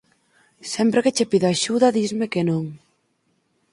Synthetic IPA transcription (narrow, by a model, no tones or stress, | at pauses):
sɛmpɾeket͡ʃepiðaʃuðɐðizmekenõŋ